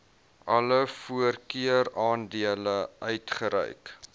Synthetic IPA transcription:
ʔɐləfuərkiəɾɑːndiələœɥtχəɾɛ̰jk

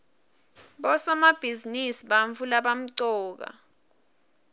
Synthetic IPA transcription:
ɓɔsɔmab̥ʱizinisiɓaɱvulaɓam̩ǀɔːk̬a̰

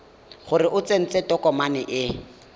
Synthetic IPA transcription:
χʊrɪʔʊt͡sen̩t͡setɔkɔmanɪʔɪ

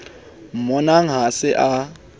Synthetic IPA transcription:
m̩mɔnaŋ̩ɦasɪʔa

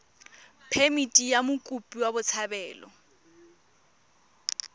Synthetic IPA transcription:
pʰemitʼijamʊkʼupʼiwabʊt͡sʰabɛːlɔ̰

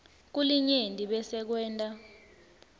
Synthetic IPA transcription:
k̬uliɲentʼiɓɛsɛk̬wɛːntʼa

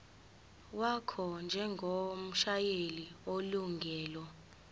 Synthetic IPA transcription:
wakʰɔnd͡ʒʱɛŋɡʱom̩ʃajelioluŋɡʱɛːlwɔ

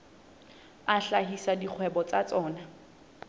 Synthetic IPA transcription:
aɬaɦisadik͡xʰwɛbɔt͡sat͡sʼɔːna

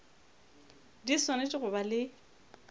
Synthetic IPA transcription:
disɔnet͡ʃʼɪɣʊbalɪ

